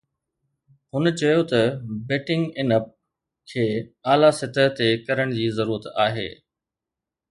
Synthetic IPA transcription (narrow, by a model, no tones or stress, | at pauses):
hʊnət͡ɕɐjot̪ɐbɛːʈɪ̃ŋɡɪnəp̚ | kʰeːaːlasɪt̪əɦt̪ekɐɾəɽ̃d͡ʑiːzɐɾuːɾət̪aːɦḛː